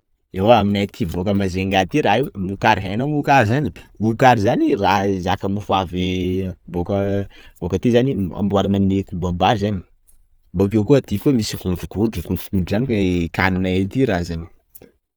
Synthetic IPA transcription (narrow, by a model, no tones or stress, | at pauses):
ewaaminajt̪ʰivokəmazeŋɡat̪iɾaɦewmnukaɾiɦanamukaɾzaniukaɾizanirazakəmifuavebokəbokət̪izania̰mbuaɾananekubabazani̥ | bapewkuət̪ifkumisifunvukuɖ͡ʐukunvu̥kuɖ͡ʐzanikekanunaet̪iɾazani̥